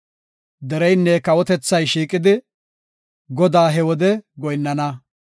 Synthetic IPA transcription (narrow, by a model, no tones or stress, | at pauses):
d̪ɛɾɛjnːɛkɐwɔt̪ɛt͡sːɐjʃiːkʼɪd̪ɪ | ɡɔd̪aːɦɛwɔd̪ɛɡɔjnːɐnɐ